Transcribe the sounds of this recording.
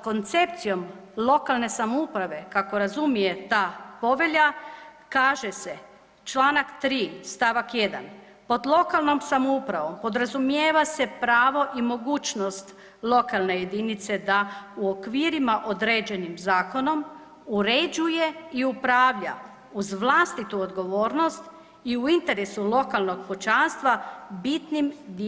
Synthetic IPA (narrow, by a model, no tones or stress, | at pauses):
ko̞nt̪se̞p̚t̪sijo̞m | lˠo̞kalˠne̞samoupɾaʋe̞kako̞ɾazumije̞t̪aːpo̞ʋe̞ʎa | kaːʒe̞se̞ | t͡ʃlˠaːnakt̪ɾiːst̪aʋakje̞d̪a̰n | po̞d̪lˠo̞kalˠno̞msamoupɾaʋo̞mpo̞d̪ɾazumjeːʋase̞pɾaːʋo̞ʔimo̞ɡuːt͡ʃno̞st̪ | lˠo̞kalˠne̞je̞d̪init̪se̞d̪auokʋiːɾimaʔod̪ɾed͡ʑe̞nimzaːko̞no̞m | uɾed͡ʑuje̞iupɾaːʋʎa̰ | uzʋlˠaːst̪it̪uod̪ɡo̞ʋo̞ːɾno̞st̪ | iuint̪e̞ɾesulo̞kalˠno̞ɡpot͡ʃanst̪ʋabit̪nimd̪